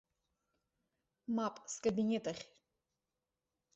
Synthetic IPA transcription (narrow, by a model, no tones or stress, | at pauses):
mapʼskʼabinʲet̪ʰʼaχʲ